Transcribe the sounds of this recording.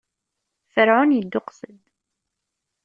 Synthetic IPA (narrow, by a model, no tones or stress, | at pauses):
fəɾʕʊnjəd̪ːʊqsəd̪